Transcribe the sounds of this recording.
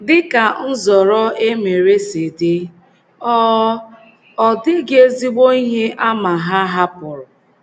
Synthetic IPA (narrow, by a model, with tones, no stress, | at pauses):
dɪ˦ka˨n̩˦zɔ˨ɾɔ˦e˦me˨ɾe˦se˨de˦ | ɔ˦ | ɔ˦˨dɪ˦ɡe˦zi˦ɡ͡bo˦i˦ɦe˦ʔa˦ma˨ɦa˦ɦa˦pʊ˨ɾʊ˨